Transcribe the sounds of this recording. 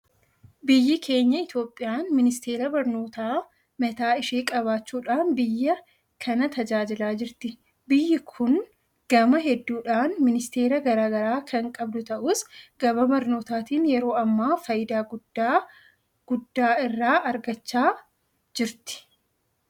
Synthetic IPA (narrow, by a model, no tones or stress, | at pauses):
bɪjːɪkʰe̞ːɲːɐɪt̪jo̞ːpʼːɪjaːnmɪnɪst̪e̞ːɾɐbɐɾno̞ːt̪aː | mɛt̪aːɪʃeːkʼɐβaːt͡ʃːuːᶑaːnbɪjːɐ | kʰɐnɐt̪ɐd͡ʒaːd͡ʒɪlaːd͡ʒɪɾt̪ɪ | bɪjːɪkʰʊn | ɡ̥ɐmɐɦɛd̪ːuːᶑaːnmɪnɪst̪e̞ːɾɐɡɐɾaːɡɐɾaːkʰɐŋkʼɐbd̪ʊt̪ɐʔuːsɡ̥ɐbɐbɐɾno̞ːt̪aːt̪iːnjɛɾo̞ːɐmːaːfɐjɪd̪aːɡʊ | ɡ̥ʊd̪ːaːɪrːaːɐɾɡɐt͡ʃːaː | d͡ʒɪɾt̪ɪ̥